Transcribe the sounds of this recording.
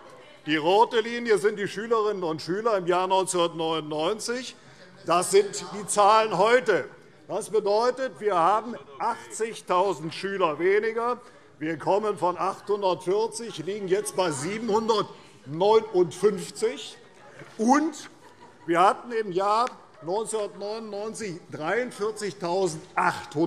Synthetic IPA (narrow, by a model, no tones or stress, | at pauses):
d̥iːʁoːtəliːnjəzɪnt̚d̥iːʃyːləʁɪnənʊntʃyːlɐɪmjaːɐnɔʏnsunːɐtnɔʏnʊnːɔʏnt͡sɪç | d̥asz̥ɪntd̥iːt͡saːlənɦɔʏtə | d̥asb̥ədɔʏtətv̥iːɐhaːbm̩ʔaχt͡sɪçtʰaʊzn̩tʃyːlɐveːnɪɡɐ | viːɐkʰɔmənfɔnʔaχthʊndɐtfɪɐt͡sɪçliːɡŋ̩jɛt͡st̚b̥aɪziːbm̩hʊndɐt | nɔʏnʊntfʏnft͡sɪç | ʔʊnt | viːɐhatn̩ɪmjaː | nɔʏnsʊnɐtnɔʏnʊnːɔʏnt͡sɪçd̥ʁaɪʊntfɪɐt͡sɪçtʰaʊzn̩tʔaχthʊ